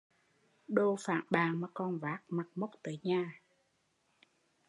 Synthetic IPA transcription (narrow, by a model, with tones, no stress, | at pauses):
ɗo˧fa̰ː˧˨nɓaː˨˩ŋmaː˨˩kɔ˧˩nvaː˨˦˥k̚ma˨˩k̚mə˦˥k͡p̚t̪əː˨˦jɲaː˨˩